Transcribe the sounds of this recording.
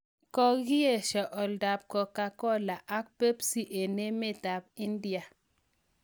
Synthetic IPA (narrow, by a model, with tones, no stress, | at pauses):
kɔ˦ɣi˦e˦˨ʃɛ˨ʔɔ˨lda˨p̚kɔ˨ka˨kɔ˦la˨ʔa˦k̚pe˦psi˦ʔe˨ne˦me˦ta˨b̚i˦ndi˦a˨